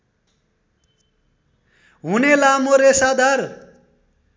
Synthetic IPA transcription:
ɦunelamoɾesad̪ar

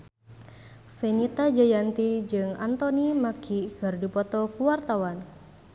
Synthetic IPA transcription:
fenit̪ad͡ʒajant̪id͡ʒɨŋa̰nt̪onimakʰikɨrdipɔt̪ɔkuwart̪awan

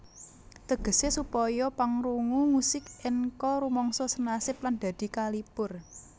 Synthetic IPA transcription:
t̪əɡ̥ə̤sesupɔjɔpaŋɾuŋuŋusɪkɪŋkɔɾumɔŋsɔsənasɪpland̪̥a̤d̪̥i̤kalipʊr

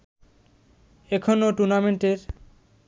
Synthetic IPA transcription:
ekʰonoʈuɾnameɳʈeɾ

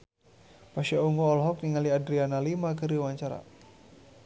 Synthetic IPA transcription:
paʃauŋɡɔːlɦɔk̚niŋaliadɾianalimakəɾiwaɲt͡ʃaɾa̰

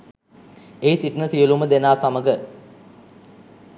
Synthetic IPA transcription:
eisiʈnəsijəluməd̪enaːsaməɡə

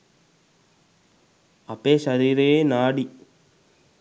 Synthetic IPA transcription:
ɐpːeːʃɐɾiːɾɐeːnaːɽi

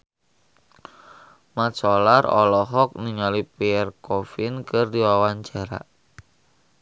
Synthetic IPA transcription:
mat͡ʃɔlarɔ̰lɔɦɔk̚niŋalipiɛrkɔfɪnkɨrdiwawand͡ʒaɾa̰ʔ

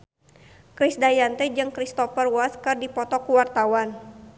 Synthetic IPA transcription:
kɾisdajant̪ɛd͡ʒɨŋkɾist̪ɔfərwaskɨrdipɔt̪ɔkuwart̪awan

